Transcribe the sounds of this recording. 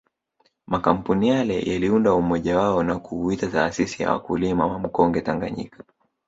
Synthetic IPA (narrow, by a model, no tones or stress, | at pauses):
makam̩punijalɛ̰jaliundaumɔʄawaɔnakuuitataːsisija̰wa̰kulimawam̩kɔŋɡɛtaŋɡa̰ɲḭkḁ